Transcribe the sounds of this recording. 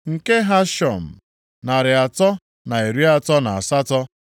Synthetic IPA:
ŋ̩˨ke˦ɦa˦ʃɔ̰˨m̩˨ | na˨ɾɪ˨a˨tɔ˦ | na˨e˨ɾi˦a˦tɔ˦na˨a˨sa˦tɔ˦

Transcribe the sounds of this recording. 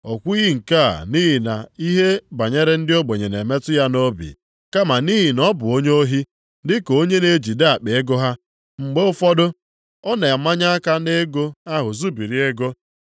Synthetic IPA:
ɔ˨kʷu˦i˦ɣi˦ŋ̩˨ka̰˦˨ni˦ɦi˨na̰˨i˦ɦe˦ba˨ɲe˦ɾe˦n̩˦dɪ˦o˦ɡ͡be˨ɲe˨ne˨me˦tʊ˦ja˦no˦bḭ˨ | ka˦ma˨ni˦ɦi˨nɔ˦bʊ˨o˦ɲe˦o˦ɦi˦ | dɪ˦ko˦ɲe˦ne˦d͡ʒi˨da˨k͡pe˨e˦ɡʊ˦ɦa˦ | ŋ͡m̩˨ɡ͡be˦ʊ˦fɔ˦dʊ˦ | ɔ˦ne˨a˨˦ma˦ɲa˦a˦ka˦ne˦ɡo˦a˦ɦʊ˨zu˦bi˨ɾi˦e˦ɡo˦

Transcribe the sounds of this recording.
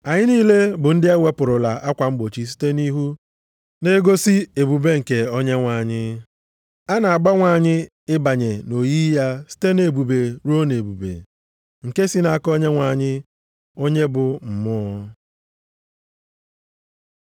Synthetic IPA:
a˨ɲɪ˦niː˦le˦bʊ˨n̩˦dɪ˦e˦we˦pʊ˨ɾʊ˨la˨ʔa˦kʷa˨m̩˦ɡ͡bo˨t͡ʃi˨s̬i̥˦te˦ni˦ɦu˦ | ne˦ɡo˦si˦e˨bu˨be˦ŋ̩˨ke˨o˦ɲe˦ŋʷa˨ɲɪ˦ | a˦na˨a˨ɡ͡ba˦ŋʷa˨ɲɪ˦ | ɪ˦ba˨ɲe˨no˨ji˦ja˦si̥˦te˦ne˨bu˨be˨ɾu˦o˦ne˨bu˨bḛ˨ | ŋ̩˨ke˦si˦na˨˦˨ko˦ɲe˦ŋʷa˨ɲɪ˦ | o˦ɲe˦bʊ˨m̩˨mʊ˦

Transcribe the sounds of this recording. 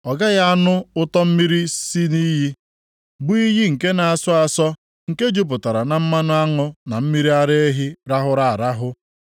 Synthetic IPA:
ɔ˨ɡa˦ja˦a˦nʊ˦ʊ˦tɔ˦m̩˦mi˦ɾi˦si˦ni˦ɦi˦ | bʊ˦i˦ɦi˦ŋ̩˨ke˦na˨a˨sʊ˦a˨sɔ˦ | ŋ̩˨ke˦d͡ʒu˦p̬ʊ˨ta˨ɾa˨na˨m̩˦ma˦nʊ˦a˦ŋʊ˦na˨m̩˦mi˦ɾi˦a˦ɾe˦e˦ɦi˦ɾa˦ɦʊ˦ɾa˨a˨ɾa˦ɦʊ˦

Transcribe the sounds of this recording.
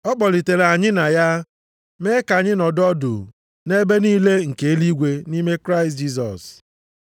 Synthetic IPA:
ɔ˦k͡pɔ˨li˨te˨ɾa˨ɲɪ˦na˨ja˦ | me˦ka˨ɲɪ˦nɔ˨dɔ˦dʊ̰˨ | ne˦be˦ni˦le˦ŋ̩˨ke˨e˦li˦ɡʷe˨ni˦me˦kɾa˦ɪ˨std͡ʒi˦s̬ɔ̰˨s

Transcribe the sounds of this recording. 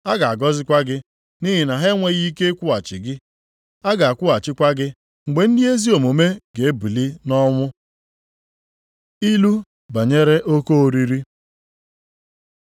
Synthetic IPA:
a˦ɡa˨a˨ɡɔ˦zɪ˦kʷa˦ɡɪ˦ | ni˦ɦɪ˨na˨ɦe˦ŋʷe˦ɣi˦ke˦kʷʊ˦a˨t͡ʃɪ̰˨ɡɪ˦ | a˦ɡa˨a˨kʷʊ˦a˨t͡ʃɪ˦kʷa˦ɡɪ˦ | ŋ͡m̩˨ɡ͡be˨n̩˦dɪ˦e˦zi˦o˨mo˨me˦ɡ̥e˨e˦bu˨li˦nɔ˦ŋʷʊ˦ | i˦lu˦ | ba˨ɲe˦ɾe˦ʔo˦ko˦o˨ɾi˦ɾi˦

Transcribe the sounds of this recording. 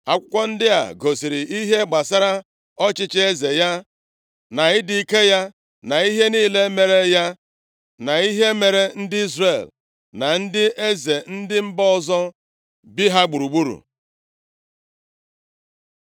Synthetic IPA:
a˨kʷʊ̥˦kʷɔ˦n̩˦dɪ˦a̰˨ɡo˨si˨ɾɪ˨i˦ɦe˦ɡ͡ba˨sa˦ɾa˦ | ɔ˦t͡ʃɪ˦t͡ʃe˦ze˨ja˦ | na˨ɪ˦di˨ke˦ja˦ | na˨i˦ɦe˦niː˦˨le˦me˨ɾe˦ja˦ | na˨i˦ɦe˦me˨ɾe˨n̩˦dɪ˦i˦zre˦˨l | na˨n̩˦dɪ˦ʔe˦ze˨n̩˦dɪ˦m̩˦bɔ˦ɔ˦˨zɔ˦ | bi˦ɦa˦ɡ͡bu˨ɾu˨ɡ͡bu˦ɾṵ˨

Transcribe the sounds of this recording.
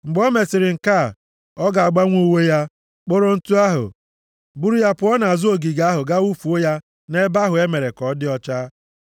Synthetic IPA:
ŋ͡m̩˨ɡ͡bɔ˦me˨sɪ˨ɾɪ˨ŋ̩˨ka˦˨ | ɔ˦ɡa˨a˨ɡ͡ba˦ŋʷu˦we˦ja˦ | k͡po˦ɾo˦n̩˦tu˦a˦ɦʊ̰˨ | bu˦ɾu˦ja˦pʊ˨˦ɔ˦na˨a˨zʊ˦o˨ɡi˨ɡa˦ɦʊ˨ɡa˦u˦fu˨o˦ja˦ | ne˦ba˦ɦʊ˨e˦me˨ɾe˨kɔ˨˦dɪ˦ɔ˦t͡ʃa˦

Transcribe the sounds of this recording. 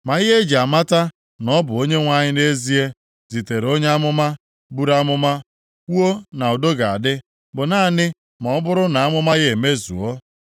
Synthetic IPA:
ma˨ɪ˦ɦe˦d͡ʒa˨ma˦ta˦ | nɔ˦bʊ˨o˦ɲe˦ŋʷa˦ɲɪ˦ne˦zi˦e˦ | zi˨te˨ɾo˦ɲe˦a˦mʊ˦ma˦ | bu˦ɾa˦mʊ˦ma˦ | o˦na˨ɔ˨do˦ɡa˨a˨dɪ˦ | bʊ˨naː˦˨nɪ˦ | mɔ˨ɔ˦bʊ˦ɾʊ˦na˨a˦mʊ˦ma˦ɣe˦˨e˨me˦zṵ˨o˦

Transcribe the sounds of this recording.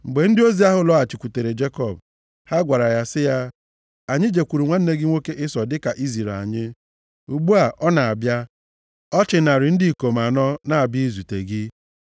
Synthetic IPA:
ŋ͡m̩˨ɡ͡be˨n̩˦dɪ˦o˦zi˦a˦ɦʊ˦lɔ˦a˨t͡ʃi˨kʷu˨te˨ɾe˨d͡ʒe˦kɔ˨b̚ | ha˦ɡʷa˨ɾa˨ja˦sɪ˦ja˦ | a˨ɲɪ˦d͡ʒe˨kʷu˨ɾu˨ŋʷa˦n̩˦ne˦ɡɪ˦ŋʷo˦ke˦ʔɪ˦sɔ˨dɪ˦ka˨ʔi˦zi˨ɾa̰˨ɲɪ˦ | u˨ɡ͡bu˦a˨ʔɔ˦na˨a˨bja˦ | ɔ˦t͡ʃɪ˨na˨ɾɪ˨˦n̩˦di˦i˨ko˨m˨a˨nɔ˦na˦˨a˨bi˦i˦zu˨te˨ɡɪ˦

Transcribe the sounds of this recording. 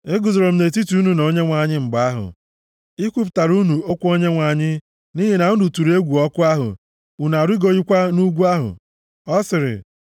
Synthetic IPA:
e˦ɡʊ˨zɾo˨m̩˦ne˨ti˦tu˦u˦nu˨no˨˦ɲe˦ŋʷa˨ɲɪ˦ŋ͡m̩˨ɡ͡ba˨a˦ɦʊ̰˨ | i˦kʷu˦p̬ʊ̥˨ta˨ɾu˦nu˨o˦kʷu˦o˦ɲe˦ŋʷa˨ɲɪ˦ | ni˦ɦe˨na˨ŋ̩ʊ˦du˨tu˨ɾe˦ɡʷu˨ɔ˦kʊ˦a˦ɦʊ̰˨ | u˨na˨ɾi˦ɡo˦i˦kʷa˦nu˦ɡʷu˦a˦ɦʊ̰˨ | ɔ˦sɪ˨ɾɪ̰˨

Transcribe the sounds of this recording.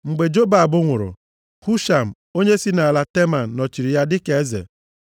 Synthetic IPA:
ŋ͡m̩˨ɡ͡be˨d͡ʒo˦ba˨a˨bʊ˦ŋʷʊ˨ɾʊ̰˨ | hu˦ʃa˨m̩˨ | o˦ɲe˦si˦na˨a˨la˦te˦ma˨n̩˨nɔ˨t͡ʃi˨ɾi˨ja˦dɪ˦ke˨˦zḛ˨

